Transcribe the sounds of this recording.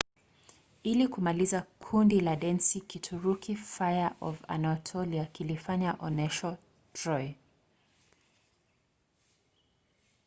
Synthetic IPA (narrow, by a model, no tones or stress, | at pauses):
ilikumalizakʰundilaɗɛnsikitʰuɾukʰifajaʔɔva̰natʰɔliakilifaɲaʔɔnɛʃa | tɹɔj